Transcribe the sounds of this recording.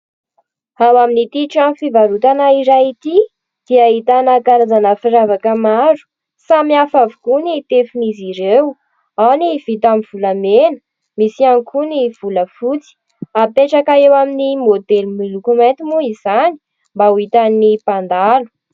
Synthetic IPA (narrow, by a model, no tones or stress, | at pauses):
hawaminit̪iʈ͡ʂamfivaɾut̪anaiɾait̪i | d̪̥iaɦit̪anakaɾazanəfiɾavakəmaɾu̥ | samiafavukunit̪efiniziɾew | awniv̥it̪amiv̥ulamenə̥ | misiaŋkʰuniv̥uləfut͡si̥ | apeʈ͡ʂakaewaminimod̪elmilukument̪imuizani̥ | mbauit̪anipand̪alu̥